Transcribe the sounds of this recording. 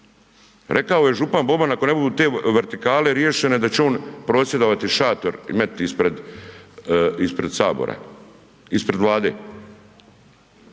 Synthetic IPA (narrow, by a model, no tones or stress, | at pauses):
ɾʔe̞kaojeʒupanbo̞banako̞ne̞bud̪uːt̪e̞ːʋeɾt̪ikaːle̞ɾje̞ʃene̞d̪at͡ɕeo̞ːnpɾo̞ːsje̞d̪o̞ʋat̪iʃaːt̪o̞ɾḭmet̪ispɾed̪ | ispɾed̪saːbo̰ɾa̰ | ispɾe̞d̪ʋlˠaːd̪e̞̰